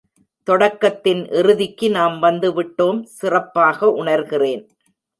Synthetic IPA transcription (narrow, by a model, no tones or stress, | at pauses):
t̪ɔɽɐkːɐt̪ːɪnʔɪɾɯðɪkːɯnaːmʋɐnd̪ɯʋɪʈːoːmsɪrɐpːaːɣɐʔʊɳɐɾɣɪreːn